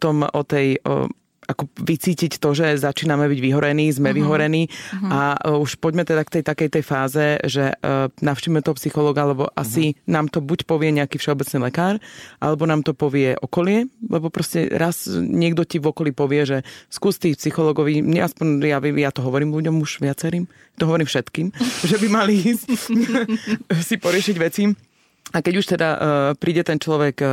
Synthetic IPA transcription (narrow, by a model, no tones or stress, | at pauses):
pɔt̪ɔmɔt̪ɛj̰ | akɔʋit͡siːcict̪ɔʒɛzat͡ʃiːnamɛbiɟʋiɦɔɾɛniːzmɛʋiɦɔɾɛniːauʃpɔɟmɛt̪ɛd̪akt̪ɛjt̪akɛjt̪ɛjfaːzɛʒɛnafʃiːʋimɛt̪ɔɔpsixɔlɔːɡaalɛbɔʔa̰sinaːmt̪ɔbucpɔʋɪɛɲɛakiːfʃɛɔbɛt͡sniːlɛkaːɾʔa̰lɛbɔnaːmt̪ɔpɔʋɪɛʔɔkɔlɪɛlɛbɔpɾɔscɛ̰ɾazɲɪɛɡd̪ɔciʋɔkɔliːpɔʋɪɛʒɛskuːst̪iːxpsixɔlɔːɡɔʋiːmɲɛaspɔɲjaʋijat̪ɔɦɔʋɔɾiːmluɟɔmuʒʋɪat͡sɛɾiːm | at̪ɔɦɔʋɔɾiːmfʃɛt̪kiːmʒɛbimaliiːsc | sipɔɾɪɛʃiɟʋɛt͡si | akɛɟuʃt̪ɛd̪apɾiːɟɛt̪ɛnt͡ʃlɔʋɛk